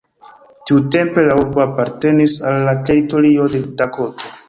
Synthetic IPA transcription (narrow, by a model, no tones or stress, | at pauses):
tiute̞mpe̞lauɾboapaɾte̞nisalːate̞ɾito̞ɾio̞de̞dakoto